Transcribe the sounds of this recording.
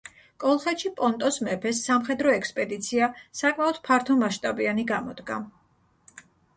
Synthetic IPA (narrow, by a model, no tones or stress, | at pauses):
kʼɔlˠχɛt̪ʃipʼɔnt̪ʼɔsmɛpʰɛsːamχɛd̪ɾɔɛkspʼɛd̪it̪sʰiasakʼmaɔd̪̥pʰaɾt̪ʰɔmaʃt̪ʼabianiɡamɔd̪̥ɡa̰